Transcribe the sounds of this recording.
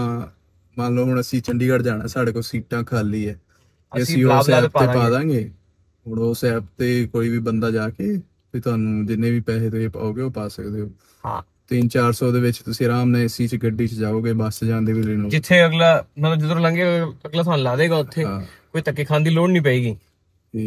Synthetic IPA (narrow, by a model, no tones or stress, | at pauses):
ãː | mãːloːɦʊɳəsĩːt͡ʃəɳɖiːkəɽd͡ʒaːɽa̰ːsaːɖeːkoːsiːʈãːkʰaːliːɛː | t̪eːəsːĩːobsaɛːpaeːpaːd̪ãːɡeː | ɦoɽoːsɛːp̚t̪eːkoːiːʋiːbənd̪aːd͡ʒaːkeː | piːt̪ʊaːnũːd͡ʒɪnːẽːʋiːpɛːleːt̪oepa̰ːoːɡeːoːpaːsəkd̪eːɦoː | hã̰ː | t̪int͡ʃaːɾsɔːd̪eːʋɪt͡ʃt̪ʊsĩːɾaːmnɛ̃ːsĩːt͡ʃɡəɖːiːt͡ʃd͡ʒaːoːɡeːbaːsd͡ʒãːnd̪eːʋɪd̪ɾiːnoːd͡ʒɪt̪ʰːeːəɡlaːmət̪ləbd͡ʒɪt̪ɾõːlãːŋɡeːəɡlaːt̪ʊaːnlaːd̪eːɡaːʊt̪ʰːẽː | koːit̪əkːeːkʰãːnd̪iːloːnnĩːpəiːɡiː | iː